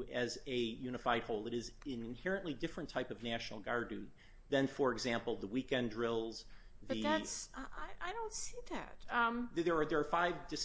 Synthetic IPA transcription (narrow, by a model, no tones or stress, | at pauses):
ɨzɨjʉñəfaɪd̚hoʊlˠɨɾɨzɪ̃nnhɛɹɨ̃nʔlidɪfɹɨ̃ntʰaɪpʌvnæʃnl̩ˠɡɑɹdⁿʉ̃n | ðɨ̃nfə˞ɨɡzæ̃mpl̩ˠðəwikɛ̃ndɹɪlˠz̥ðʌɨðætsʔaɪʔaɪɾõʊ̃ntsiðæ̰t̚ʌ̃mðə˞ðə˞ːfaɪvdɨs